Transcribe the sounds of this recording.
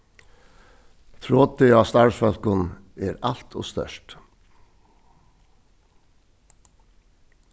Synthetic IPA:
t̪ʰɾoːt̪ʏɑːst̪ɑɹsfœlkʊneːɾɑl̥t̪ʰo̰ːst̪œ̰ʃt

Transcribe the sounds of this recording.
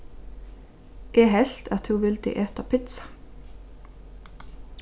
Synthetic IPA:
ʔeːɦɛɬt̪ʰɑt̪hʉːʋɪld̪ḭːʔeːt̪ɑpʰɪt̪sɑ̥

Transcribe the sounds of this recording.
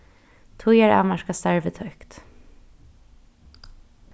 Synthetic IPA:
t̪ʰʊjɛɹa̰maʃkast̪aɹvət̪ʰœkt̪

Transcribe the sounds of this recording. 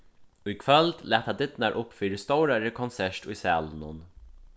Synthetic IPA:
ʊjkʰʋœld̪lɛːt̪had̪ɪd̪naɾʔʊpːfiːɾɪst̪owɾaɾəkʰɔnsɛʂʈʊjsæ̰ːlnʊn

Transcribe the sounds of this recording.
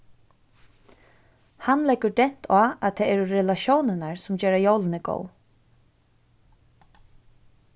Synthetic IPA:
hanlɛkədɛn̥t̪ʰaːat̪ʰɛːɛːɾɾɛlaʃoːwnənaɹsʊmd͡ʒɛːɾajowlənɪɡo̰w

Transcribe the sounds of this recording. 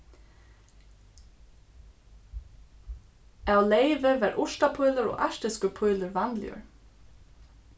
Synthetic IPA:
awlejvɪvæːɹʔʊʂt̪apʰʊjləɾɔ̰ːʔaʂt̪ɪskəpʰʊjləɹvanljə̰ɹ

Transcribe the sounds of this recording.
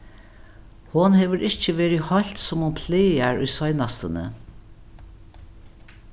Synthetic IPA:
hʊnhɛːʋəɹɪçt͡ʃəʋeːɹihɔl̥t̪sʊmhʊnpʰleːaɹʊ̰jsɔjnast̪ənə̰

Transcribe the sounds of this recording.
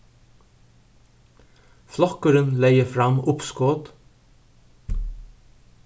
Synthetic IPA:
flɔkəɾənleɪəfɾɑmʊpskoːd̪

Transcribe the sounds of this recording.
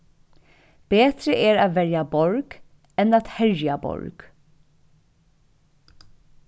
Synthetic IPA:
b̥eːt̪ɾəʔɛːɾɑːt̪vɛɾjabɔɾɡ | ɛnɑːt̪hɛɹjɐbɔ̰ɹɡ̥

